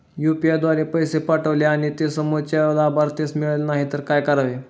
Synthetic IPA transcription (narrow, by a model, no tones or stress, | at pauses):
jupiad̪ʋaɾepəjsepaʈəʋleaɽ̃it̪esəmot͡ɕalabʱaɾt̪esmiɭelnaɦit̪əɾkajkəɾaʋe